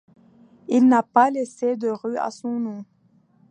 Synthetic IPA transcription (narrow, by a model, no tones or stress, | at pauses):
ilnapalesed̪əʁya̰sɔ̃nɔ̃